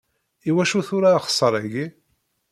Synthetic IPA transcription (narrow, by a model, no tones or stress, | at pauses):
iwæʃuθʊɾaχə̥sˤːəɾˤæɡi